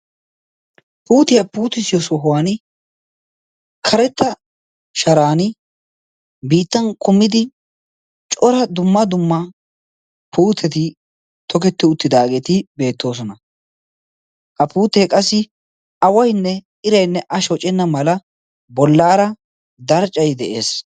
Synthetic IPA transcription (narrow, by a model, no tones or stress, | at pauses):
puːt̪ɪjɐpuːt̪ːɪsɪjɔsɔɦʊwan | kʰɐɾɛt̪ːɐ | ʃɐɾaːnɪ | biːt̪ːɐnkʊmːɪd̪ɪ | t͡ʃʼɔɾɐd̪ʊmːɐd̪ʊmːɐ | pʰuːt̪ʰːɛt̪ɪ | t̪ʰɔkɛt̪ːɪʊt̪ːɪd̪aːɡɛt̪ɪbe̞ːt̪ːo̞ːs̬ɔnɐ | kʼɐpuːt̪ːɛkʼɐsːɪ | ɐwɐjnːɛ | ɪɾɐjnːɛʔɐʃɔt͡ʃʼɛnːɐmɐlɐ | bɔlːaːɾɐ | d̪ɐɾt͡ʃʼːɐjd̪ɛʔe̞̰ːs